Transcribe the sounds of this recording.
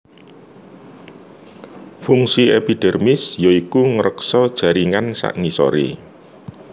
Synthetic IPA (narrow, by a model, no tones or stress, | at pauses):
fuŋsiepiɖ̥ɛ̤rmɪsjoikuŋəɾəksɔd̥ʒ̥a̤ɾiŋansa̰ʔŋisɔ̰ɾḭ